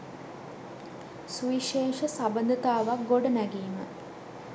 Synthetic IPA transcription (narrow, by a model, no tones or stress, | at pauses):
suiʃeːʃəsabənd̪ət̪aːʋak̚ɡoɖənæɡiːmə̰